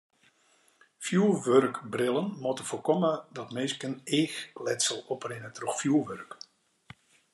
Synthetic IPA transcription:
fjuːʋørkbrɪlˠənmɔtəforkɔmədɔtmeːskəneːxlɛtsəlˠɔprɪnətrɔxfjuːʋørk

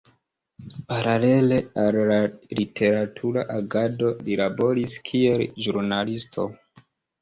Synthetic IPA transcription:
paɾale̞le̞alːalitʰe̞ɾatʰuɾaʔaɡado̞lilabo̞ɾiskʰie̞lʒuɾnalistʰo̞̰

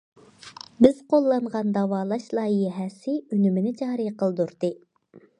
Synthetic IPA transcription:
bɪz̥qʰolˠːɑnʁɑnd̪ɑwɑːlˠɑʃlˠɑːijɦɛsɪynymɪnɪd͡ʒɑːɾɨqəlˠd̪uɾd̪ɨ

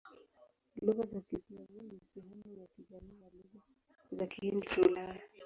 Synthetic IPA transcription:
luɣazakizazanisɛɦɛmujakizamijaluɣa | zakihindit͡ʃaulaja

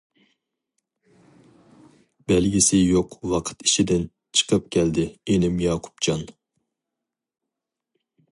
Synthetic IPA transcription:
bɛlɡʲisɪjoqwɑqʰə̥t̪i̥ʃid̪ɪn | t͡ʃʰə̥qʰəp̚kʲʰɛld̪ɪenɪmjɑːqʰu̥p̚t͡ʃʰɑn

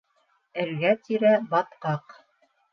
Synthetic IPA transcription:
ɘ̆ɾɡæt̪iɾæbɑt̪qɑq

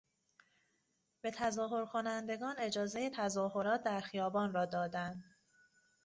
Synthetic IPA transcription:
b̥e̞t̪ʰæzɒːɦo̞ɾkʰo̞nænd̪e̞ɡɒːne̞d͡ʒɒːze̞jet̪ʰæzɒːho̞ɾɒːt̪̚ʰd̪æɾxijɒːbɒːnrɒːd̪ɒːd̪ænd̪

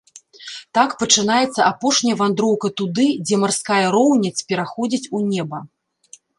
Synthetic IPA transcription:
t̪akpɐt͡ʂɨnajɛt̪sːɐapɔʂnʲɐjɐvand̪ɾɔwkɐt̪ud̪ɨd͡zʲɛmarskajɐɾɔwnʲit͡sʲpʲɛɾaxɔd͡zʲit͡sʲunʲɛbɐ

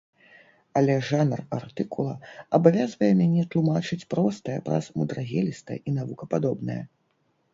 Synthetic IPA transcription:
ɐlʲɛʐanrart̪ɨkulˠɐɐbavʲazvɐjɛmʲanʲɛt̪lˠumat͡ʂɨt͡sʲpɾɔst̪ɐjɛpɾɐ̰zmud̪ɾaɣʲɛlʲist̪ɐ̰ʔinavukɐpad̪ɔbnɐjɐ̰

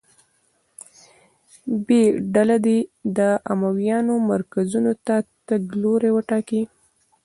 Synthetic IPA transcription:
beɖalad̪ed̪əʔamawjɑnomaɾkazunot̪at̪əɡloɾewəʈɑki

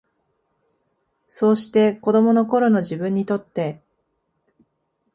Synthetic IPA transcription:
so̞ːɕi̥t̪e̞ko̞d̪o̞mo̞no̞ko̞ɾo̞no̞ʑibɯ̟̃ɲ̟ːit̪o̞t̪ːe̞

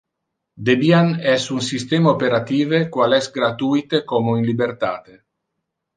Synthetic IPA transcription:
d̪ebianɛsunsist̪eːmaopeɾat̪iːvekwalɛsɡɾat̪ujt̪ekomoinlibert̪a̰ːt̪e

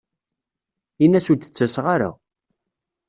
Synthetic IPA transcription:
inːæsuɾt̪ə̥t͡sːæsʁaɾa̰

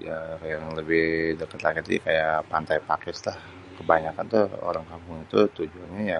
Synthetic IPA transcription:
jajaŋləbɪhdəkət̪lakɪt̪ḭkajapant̪ajpakɪslah | kəbaɲakant̪uo̰ɾaŋkampʊŋit̪ut̪ud͡ʒuaɲaja

